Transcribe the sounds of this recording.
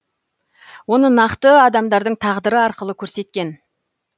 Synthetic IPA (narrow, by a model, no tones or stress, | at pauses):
wo̞nənɑqt̪əɑd̪ɑmd̪ɑɾd̪əɴt̪ʰɑʁd̪əɾəɑɾqəlˠəkʲʰɵɾse̞t̪̚kʲe̞n